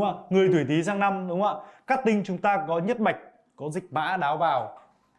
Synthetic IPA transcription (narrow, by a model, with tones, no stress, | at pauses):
a̰ː˧˨ŋɨ˨˩əjt̪ʰwi˧˩t̪i˨˦zaː˧ŋna˧mɗʊ˨˦ŋ͡mʔaː˧˨kaː˦˥k̚t̪ï˧ŋ̟t͡ɕʊ˨˦ŋ͡mt̪aː˧kɔ˨˦ɲə˦˥t̚ɓa˨˩jk̟̚ | kɔ˨˦zï˨˩k̟̚ma̰ː˧˥ɗaː˨˦wvaː˨˩w